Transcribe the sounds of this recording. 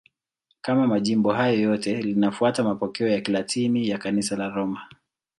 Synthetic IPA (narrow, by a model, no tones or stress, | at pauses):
kamamaʄimbɔɦajɔjɔtɛlinafuatamapɔkɛɔjakilatʰinijakanisalaɾɔma